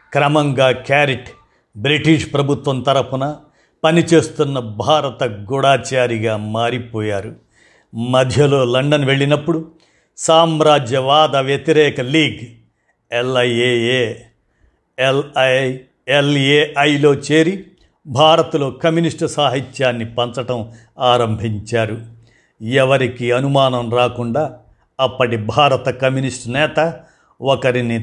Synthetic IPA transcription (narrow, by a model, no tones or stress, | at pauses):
kɾɐmɐŋɡaːkaːɾiʈ | bɾiʈiʂpɾɐbʱut̪ʋɐmt̪ɐɾɐpunɐ | pɐnit͡ʃe̞ːst̪unːɐbʱaːɾɐt̪ɐɡuɽaːt͡ʃaːɾiɡaːmaːɾipoːjaːɾu | mɐd̪ʱjɐlo̞ːlɐɳɖɐnʋe̞ɭːinɐpːuɽu | saːmɾaːd͡ʒjɐʋaːd̪ɐʋjɐt̪iɾɛːkɐliːɡ | elɐjeːeː | elɐ | eleːʔɐjlo̞ːt͡ʃeːɾi | bʱaːɾɐt̪ɐlo̞ːkɐmjuniʂʈsaːɦitjaːnːipɐnt͡ʃɐʈɐm | aːɾɐmbʱiɲt͡ʃaːɾu | ɛʋɐɾikiɐnumaːnɐmɾaːkuɳɖaː | ɐpːɐʈibʱaːɾɐt̪ɐkɐmjuniʂʈnɛːt̪ɐ | okɐɾini